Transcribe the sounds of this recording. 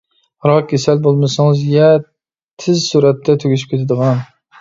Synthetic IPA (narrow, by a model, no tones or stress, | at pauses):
ɾɒkʲʰesalbolˠmasɪŋzjɛ | t̪ʰːɪzsuɾat̪ːat̪ʰʊɡʲɪʃ̬ɪp̚kʲet̪ʰad̪ɨʁɑn